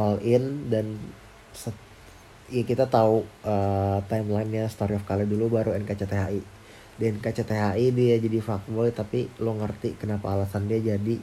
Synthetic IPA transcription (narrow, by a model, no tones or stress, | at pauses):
hɔlɪndan | sə | jakit̪at̪auət̪ajmlajnɲast̪aɾiɔfkalidulubaɾuɛnkat͡ʃat̪eɦaʔi | dɛɛnkat͡ʃat̪eɦaidiad͡ʒadifak̚bɔjt̪apiloŋərt̪ikənapaːlasandiad͡ʒadi